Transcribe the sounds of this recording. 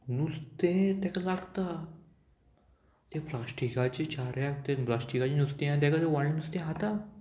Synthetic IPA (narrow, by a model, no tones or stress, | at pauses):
nust̪ẽt̪ekalaɡt̪a | t̪eplasʈikat͡ʃet͡ʃaɾjakt̪ẽplasʈikat͡ʃinust̪ẽãd̪ɛkat̪eʋaɳĩnust̪ẽɦat̪a